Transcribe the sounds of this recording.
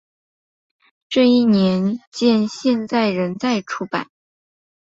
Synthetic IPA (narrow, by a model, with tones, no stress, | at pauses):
ʈ͡ʂɤ˥˧i˥˩njɛ˧˥nt͡ɕjɛ˥˧nɕjɛ˥˧nt͡sa˥˩ɪɻə˧˥nt͡sa˥˩ɪʈ͡ʂʰu˧˥pa̰˨˩˦n